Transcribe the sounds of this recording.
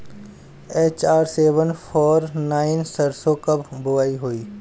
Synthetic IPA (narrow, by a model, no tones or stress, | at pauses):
eːt͡ʃaːɾseːʋənpʰɔːɾnaːɪnsəɾsokəbbʊʋaːiɦoːiː